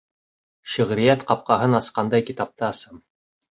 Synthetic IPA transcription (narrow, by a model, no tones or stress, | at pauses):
ʃɘ̆ʁɾɘ̆jæt̪qɑp̚qɑɦɤnɑsqɑnd̪ɑjkit̪ɑp̚t̪ɑɑsɤm